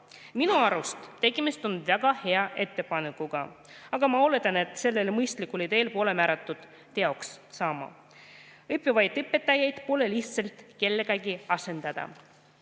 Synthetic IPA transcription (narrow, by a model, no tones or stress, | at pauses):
minuɑɾust̪t̪ːe̞ɡimist̪o̞nvæɡ̥ɑhe̞ɑʔe̞t̪ːe̞pɑnekːˑuɡ̥ɑɑɡ̥ɑmɑo̞le̞t̪ˑɑne̞t̪ˑse̞lːe̞lmɤjst̪likːˑulit̪e̞ːlpo̞ːle̞mæːɾɑt̪ːˑud̪̥ː | e̞o̞kssɑːmɑ̰ | ɯpːˑjivɑjd̪ɯpːe̞t̪ːˑɑjɑjd̪̥poːleliht̪selt̪ˑke̞lːeɡ̥ɑɡiɑse̞nd̪̥ɑd̪̥ɑ̰